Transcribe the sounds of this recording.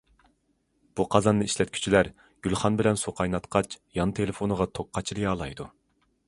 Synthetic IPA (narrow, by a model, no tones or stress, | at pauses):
b̥uqʰɑzɑnːɨiʃlɛt̪̚kʲʰy̥t͡ʃʰilæɾ | ɡ̥ʲylˠχɑnbɪlɛnsuqʰɑjnɑt̪qʰɑt͡ʃʰjɑnɨt̪ʰelefonɨʁɑt̪ʰok̚qːɑt͡ʃʰilɨjɑːlˠɑjd̪u